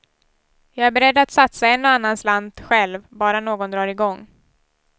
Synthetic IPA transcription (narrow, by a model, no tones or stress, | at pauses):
jɑːɡæɾbɛɾɛd̪ːat̪sat̪saɛnːɔanːansland̪ɧɛlvbɑːɾanoːɡɔnd̪ɾɑːɾɪɡɔŋː